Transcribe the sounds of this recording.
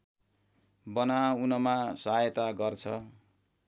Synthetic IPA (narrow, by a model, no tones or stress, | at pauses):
bʌnaunʌmasʌɦajʌt̪aɡʌrt͡sʰʌ